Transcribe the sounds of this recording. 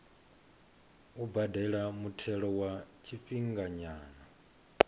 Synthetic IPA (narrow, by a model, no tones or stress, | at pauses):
ubadɛɺamutʰɛɺɔwat͡ʃʰiɸiŋɡaɲaːna